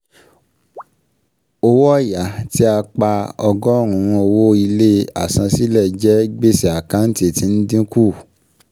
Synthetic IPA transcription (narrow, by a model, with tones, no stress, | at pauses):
o˧wɔ˦˨ja˨˦ti˦a˧k͡pa˧ɔ˧ɡɔ˦˨ɾ̃ũ˨ɾ̃ũ˧o˧wo˦i˧le˦a˨sã˧si˦lɛ˦˨d͡ʒɛ˦ɡ͡be˦si˨a˨kã˨˦n̩˦ti˦˨tĩ˨˧n̩˦dĩ˦ku˦˨